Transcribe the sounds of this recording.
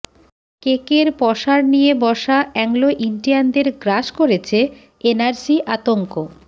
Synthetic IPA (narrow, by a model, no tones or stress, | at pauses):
kekeɾpɔʃaɾnijebɔʃaʔɛŋloʔiɳɖiand̪eɾɡɾaʃkoɾet͡ɕʰe | enaɾsiʔat̪oŋko